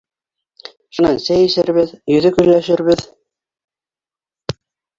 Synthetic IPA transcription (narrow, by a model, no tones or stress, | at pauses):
ʃŏnɑnsæjɘ̆sɘ̆ɾβɘðjɵ̆ðɵkɵ̆jlæʃɘ̆ɾβɘð